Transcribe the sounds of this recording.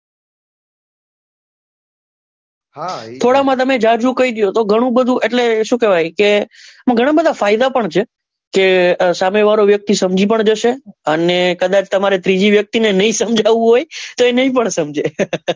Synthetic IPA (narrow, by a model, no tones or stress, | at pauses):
t̪ʰoɽamãt̪̬əmed͡ʒad͡ʒũkəiɡjot̪oɡʱəɽ̃ũbəd̪ʱũʔeʈleʃũːkɛʋajkemãɡʱəɽ̃abəd̪ʱafajd̪apəɳt͡ʃʰe | kesameʋaɾoʋjək̚t̪isəmd͡ʒipəɳd͡ʒəʃeənekəd̪at͡ʃt̪əmaɾet̪ɾid͡ʒiʋjək̚t̪inenəɦĩsəmd͡ʒʱaʋũɦojt̪oenəɦĩpəɳsəmd͡ʒe